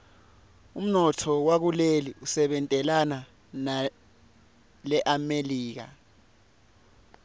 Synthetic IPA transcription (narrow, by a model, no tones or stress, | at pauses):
um̩nɔtʰɔwak̬uleliusɛɓɛntʼɛlana | na | lɛʔameliːk̬a̰